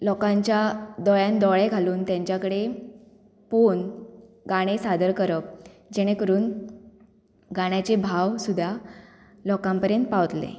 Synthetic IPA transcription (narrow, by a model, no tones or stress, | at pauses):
lɔkãɲt͡ɕjad̪ɔɭjãnd̪ɔɭeɡʱaluːnt̪jãɲt͡ɕjakəɽe | pon | ɡaɽ̃esad̪əɾkəɾəp̚ | d͡ʑeɽ̃ekəɾuːn | ɡaɽ̃jat͡ɕebʱaʋsud̪ʱːja | lɔkampəɾjənt̪̚paʋt̪lḛ